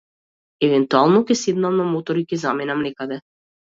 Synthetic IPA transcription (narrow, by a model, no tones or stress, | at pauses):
ɛvɛnt̪ualˠnɔkɛsed̪namnamɔt̪ɔɾikʲɛzamɛnamnɛkad̪ɛ